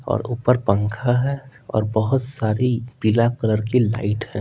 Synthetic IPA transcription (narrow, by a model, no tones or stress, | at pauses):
ɔ̰ːɾuːpəɾpə̃ŋkʰaɦɛ̃ɔ̰ːɾbəɦʊt̪saːɾipilakələɾkela̰ɪʈɦɛ̃ː